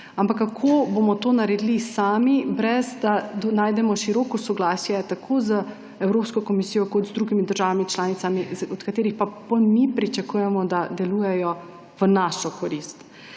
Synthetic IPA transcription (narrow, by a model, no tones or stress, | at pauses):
ampakːakʰoːbomɔt̪oːnaɾɛd̪ilisaːmibɾɛzd̪ad̪naːjd̪ɛmɔʃiɾɔːkɔsɔɡlaːsjɛt̪akʰozə | ɛwɾoːpskɔkɔmisijɔkɔt̪zd̪ɾuɡimid̪əɾʒaːʋamit͡ʃlaːnit̪samizɔt̪kat̪eːɾixpapolmipɾit͡ʃakuːjɛmɔd̪ad̪ɛlujɛjɔ | ʋənaːʃɔkɔɾist̪